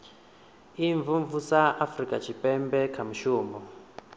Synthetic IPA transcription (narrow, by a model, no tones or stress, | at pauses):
iɱvuɱvusaʔafrikʼat͡ʃʰipʼɛmbɛkʰamuʃuːmbɔ